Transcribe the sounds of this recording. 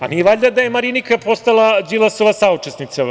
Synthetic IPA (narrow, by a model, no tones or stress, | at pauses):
a̰nieʋaʎd̪ad̪ajemaɾinikapo̞st̪alˠad͡ʒilˠasoʋasaut͡ʂesnit̪sa